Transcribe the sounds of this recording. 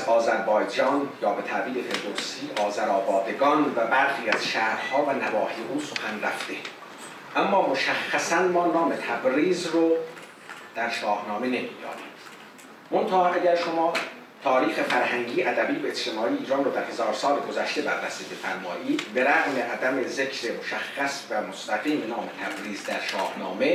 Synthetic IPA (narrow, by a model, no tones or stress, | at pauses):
æzɒːzæɾbɒːjd͡ʒɒːnjɒːbe̞t̪ʰæʔviːlefʰeld̪oɾst̪iːʔɒːzæɾɒːbɒːd̪e̞ɡɒːnvæbæɾxiːæz̥ʃæːhɾhɒːvænævɒːhijeʔuːso̞xænræ̰ft̪e̞ | ʔæmːɒːmoʃæxːæsænmɒːnɒːmet̪ʰæbɾiːzro | d̪̥æɾʃɒːhnɒːmene̞mḭːd̪ɒ̰ːnḭːd̪̥ | mont̪ʰæhɒʔæɟæɾʃo̞mɒː | t̪ʰɒːɾiːxe̞fæɾhæŋɟiːʔæd̪æbiːbeet͡ʃt̪ʰe̞mɒːʔijeiːɾɒːnroːd̪æɾhe̞zɒːɾsɒːleɡozæʃt̪ebæɾbæsibefæ̰ɾmɒːʔiːd̪̥be̞ɾæɣmeʔæd̪æme̞zecʰɾemoʃæxːæsvæmost̪æɣiːmenɒːme̞t̪ʰæbɾiːzd̪æɾʃɒːhnɒ̰ːme̞